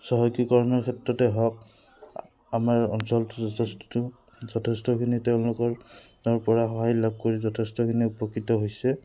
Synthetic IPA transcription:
sɔɦɔjkɔkɔɹmɔɹkʰɛtɹɔtɛɦɔk̚ | amaɹɔ̰nsɔltʊɔsttʊ | zɔtʰɛstɔkʰiniteʊ̃lʊkɔɹɹpɔɹaxɔɦajlab̚ʱkoɹizɔtʰɛstɔkʰiniupɔkːitɔɦojsɛ

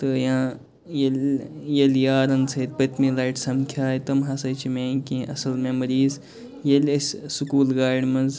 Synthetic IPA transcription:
t̪ɨjãː | jel | jeljaːɾɐnsʰɐt̪̚pɐt̪ʲmilaːjʈsɐmkʰjaːit̪ɐmɦɐsɐt͡ʃʰimẽːkĩʔɐsɐlmemɐɾiːz | jelʲesʲsukuːlɡaːɾɖmɐnz

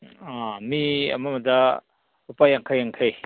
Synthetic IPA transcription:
amia̰mamɐda | upajaŋkʰajaŋkʰaj

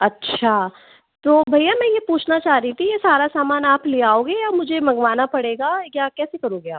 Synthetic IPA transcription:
ɐtːʃʰa | t̪oːbʱɐjamɛ̃ːjepuːt͡ʃʰnat͡ʃaːɾit̪ʰijesaːɾasaːmaːnaːpliaːoːɡejaːmʊd͡ʒʱemʱɐɡʋaːnapɐɽeːɡajakɛːsekɐɾoːɡea̰ːp

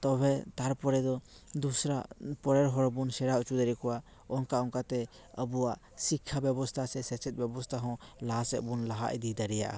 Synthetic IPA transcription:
t̪ɔbʱɛt̪aɾpɔɾɛd̪ɔ | d̪usɾa̰pɔɾɛɾɦɔɾbunsɛɾaut͡ʃud̪aɾɛkɔwa | ɔŋkaɔŋkat̪ɛ | əbuwaʔ | sikʰːabɛbɔst̪ʰasɛsɛt͡ʃɛt̪̚ˀbɛbɔst̪ʰaɦɔ̃lasɛʔ̚bunlaɦa̰ʔḭd̪id̪aɾɛja̰ʔa̰

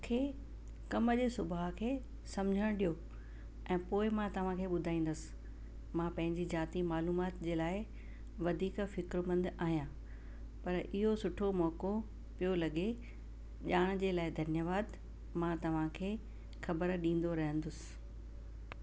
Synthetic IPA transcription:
kʰeː | kɐməd͡ʑeːsʊbʱaɦkʰeː | sɐmd͡ʑʱəɽ̃ɗijo | ɛ̃ːpoːɪmãt̪ɐʋ̤ãkʰeːɓʊd̪ʱaːĩːn̆d̪əsɪ̥̆ | mãːpɐ̃ɦɪ̃ɲd͡ʑizaːt̪imaːluːmaːt̪d͡ʑeːlaːɪ | ʋɐd̪ʱiːkfɪkɾmɐ̃nd̪aːɦijãː | pɐɾʔɪɦosʊʈʰomɔːko | pijolɐɠe | ʄaːɽ̃ʊ̆d͡ʑeːlaːɪd̪ʱɐnjəʋaːd̪ | mãt̪ɐʋ̤ãkʰeː | xɐbəɾɗĩːn̆d̪oɾɐɦə̃nd̪ʊsɪ̥

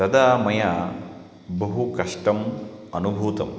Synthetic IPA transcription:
t̪ɐd̪aːmɐjaː | bɐɦukɐʂʈɐmɐnubʱuːt̪ɐ̰m

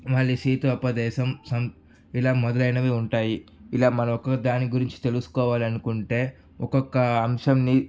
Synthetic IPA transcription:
mɐɭːiʃiːt̪uɐpɐd̪ɛːʃɐmsɐm | ilaːmɔd̪ɐlɐjnɐʋeːuɳʈaːjiːlaːmɐnɐmɔkɐkɐd̪aːniɡuɾiɲt͡ʃi̥t̪e̞lusu̥kɔːʋaːliɐnukuɳʈe̞ː | ɔkɔkːɐːmʂɐmni

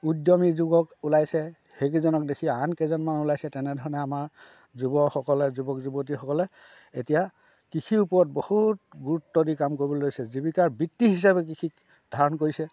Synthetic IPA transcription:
udjɔmizuɡɔkulajsɛ | hek̬izɔnɔk̚dekʰiankɛzɔnmanulajsɛtɛnɛdʱɔɹɔnɛamaɹ | zubɔkxɔkɔlɛzubɔkzubot̬ixɔkɔlɛ | etija | kikʰiupɔɹɔt̚bohutɡuɹutːɔdikamkoɹibɔlojsɛzibikaɹbitːiɦis̬abɛk̬ikʰik | d̥ʱaɹɔnkoɹisɛ

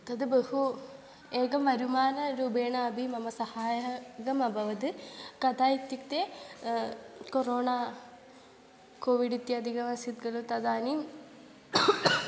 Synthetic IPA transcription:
t̪ɐd̪ɨbehu | eːɡɐmʋɐɾumaːnɐɾuːbeːɳɐːbʱimɐmɐsɐhaːjɡɐmɐbʱɐʋɐd̪ɨkɐt̪ʰaːit̪jukt̪e | koɾoːɳaː | koːʋiɖit̪jɐɐd̪ʱiɡɐʋɐsit̪̚ɡɐlut̪ɐd̪aːniːm

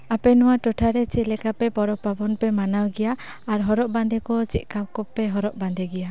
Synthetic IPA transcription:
apɛnɔwaʈɔʈʰaɾɛt͡ʃilɛkapɛpɔɾɔpːabɔnpɛmanawɡɛjaː | ɾɦɔɾɔʔband̪ɛkɔt͡ʃiʔ̪̚kawkɔpːɛɦɔɾɔʔband̪ɛɡɛja

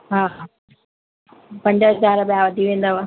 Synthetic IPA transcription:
ɦaːɦa | pɐ̃ɲd͡ʑəɦɐzaːɾbjaʋɐd̪ʱiʋẽːn̆d̪aʋa

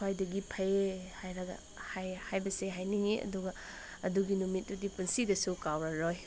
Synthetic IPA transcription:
wajdɐɡipʰɐjehajɾaɡɐ̰ | hajhajbɐseɦajniŋeʔɐ̰duɡɐ | ɐduɡinumit̚dudipunsidɐsukawɾɐɾoj

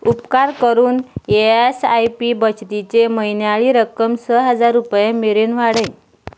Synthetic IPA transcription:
upkaɾkəɾuːneesajpibət͡ɕt̪it͡ɕeməjnjaɭiːɾəkəmsəɦəd͡zaɾːupjemeɾenʋ̤aɽə̃j

